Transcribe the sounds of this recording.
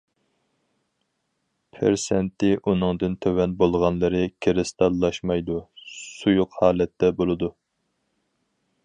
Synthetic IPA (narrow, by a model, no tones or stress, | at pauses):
pʰɪ̰ɾsɛnt̪ɪʔunɨŋd̪ɨnt̪ʰøwɛnbolˠʁɑnlˠɨɾɨkʲʰeɾɪst̪ɑlˠːɑʃmɑjd̪usujʊqhɑːlɛt̪ːɛbolˠɨd̪u